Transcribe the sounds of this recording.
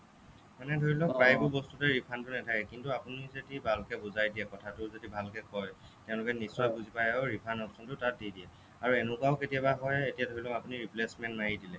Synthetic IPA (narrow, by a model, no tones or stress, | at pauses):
manɛdʱoɹilɔkɹajbɔbɔstutɛɹipʰantʊnɛtʰakɛkintuapunizedibʱalkɛbuzajdiɛkɔtʰatʊzodibʱalkɛkɔj | tɛʊ̃lʊkɛnisːɔjbuzipajaʊɹipʰanɔpsɔntʊtat̚didiɛ | aɹuɛnʊkaʊketijabaɦɔjetijadʱoɹilɔapuniɹiplesmɛntnajidilɛ